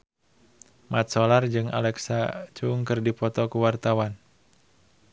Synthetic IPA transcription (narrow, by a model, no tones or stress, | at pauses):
mat̪̚sɔlard͡ʒɨŋa̰lɛksat͡ʃuŋkɨrdipɔt̪ɔkuwart̪awan